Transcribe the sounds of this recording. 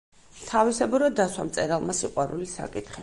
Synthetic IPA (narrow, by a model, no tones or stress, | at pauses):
t̪ʰavisɛbuɾɔd̪ːaswamt̪sʼɛɾalˠmasiqʼwaɾulisa̰kʼit̪ʰχi